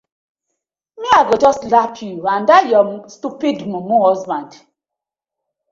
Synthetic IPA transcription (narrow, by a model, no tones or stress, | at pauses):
miaɡɔd͡ʒɔstlapʰjuandajɔmstupidmumuhɔzbãnd